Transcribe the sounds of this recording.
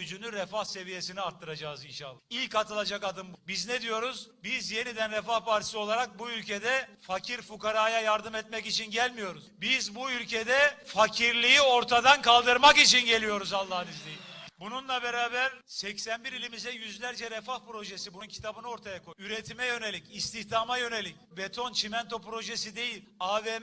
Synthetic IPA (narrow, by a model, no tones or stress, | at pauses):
yd͡ʒynyɾɛfahse̞vije̞siniaɾt̪ʰːɯɾad͡ʒaːɯzinʃalˠːailʲkat̪ɯlˠad͡ʒakad̪ɯmbbizned̪ijo̞ɾuzbizje̞nid̪ænɾɛfahpʰaɾt̪ʰi̥sio̞lˠaɾak̚buylʲcʰed̪ɛfacʰiɾfukaɾaːjajaɾd̪ɯmɛt̪̚mɛcit͡ʃʰinɟælʲmijo̞ɾuzbizbuylʲcʰed̪ɛfacʰiɾlʲijio̞ɾt̪ʰad̪ankʰalˠd̪ɯɾmakit͡ʃʰinɟe̞lʲijo̞ɾuzalˠːaɦɯnizlʲejimbununlˠabeɾaːbæɾsɛcsænbiɾilʲimizɛjyzlʲæɾd͡ʒɛɾɛfahpɾo̞ʒesibununcʰi̥t̪ʰabɯnɯo̞ɾt̪ʰajakʰoyɾet̪ʰimɛjø̞ne̞lʲicist̪ʰiçd̪aːmajø̞ne̞lʲicbet̪ʰo̞nt͡ʃʰimɛnt̪ʰopɾo̞ʒesid̪e̞jilʲaːve